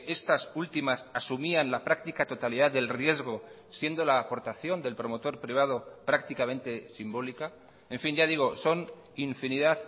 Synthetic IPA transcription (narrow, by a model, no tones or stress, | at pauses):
e̞st̪asult̪imasasumianlapɾak̚t̪ikat̪o̞t̪alið̞aððe̞lrje̞zɣ̞o̞ | sje̞nd̪o̞laːpo̞ɾt̪aθjo̞nd̪e̞lpɾo̞mot̪o̞ɾpɾiβ̞að̞o̞pɾak̚t̪ikamẽ̞nt̪e̞simbo̞lika | e̞ɱfinʝað̞iɣ̞o̞so̞n | iɱfiniðað